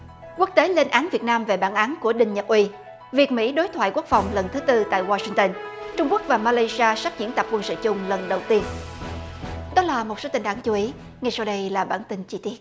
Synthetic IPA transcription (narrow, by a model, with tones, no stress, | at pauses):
ku˦˥ək̚t̪e˨˦le˧nʔaː˨˦nvi˨˩ət̚naː˧mve˨˩ɓaː˧˩nʔaː˨˦nku˧˩əɗï˨˧ŋ̟ɲə˨˩p̚ʔwi˧ | vi˨˩ək̚mḭ˧˥ɗo˨˦jt̪ʰwa̰ː˧˨jku˦˥ək̚fa˨˩wŋ͡mlə˨˩nt̪ʰɨ˨˦t̪ɨ˧t̪a̰ː˧˨jwaː˧si˧ŋt̪ə˧nt͡ɕʊ˧ŋ͡mku˦˥k̚vaː˨˩maː˧la˧jsi˧aː˧saː˦˥k̚zḭ˧˥ənt̪a˨˩p̚kwə˧nsɨ̰˧˨t͡ɕʊ˧ŋ͡mlə˨˩nɗə˨˩wt̪i˧ən | ɗɔ˨˦laː˨˩mo˨˩t̚soː˨˦t̪ï˨˩ŋʔaː˨˦nt͡ɕu˨˦ʔi˨˦ | ŋa˨˩jsa˧wɗə˧jlaː˨˩ɓaː˧˩nt̪ï˧ŋt͡ɕi˧t̪i˦˥ət̚